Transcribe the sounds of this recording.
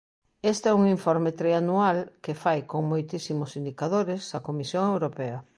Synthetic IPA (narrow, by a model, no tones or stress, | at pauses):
est̪ɛuŋiɱfɔɾmɪt̪ɾeanualkɪfajkoŋmojt̪isimʊsind̪ikað̞oɾɪsɐkomisjoŋewɾopɛɐ